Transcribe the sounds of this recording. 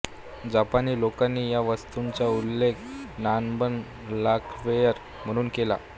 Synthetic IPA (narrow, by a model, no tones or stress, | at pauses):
d͡ʑapaniːlokanːiːjaʋəst̪uɲt͡ɕaulːekʰnanbən | lakʰʋejəɾ | m̤əɽ̃uːnkela̰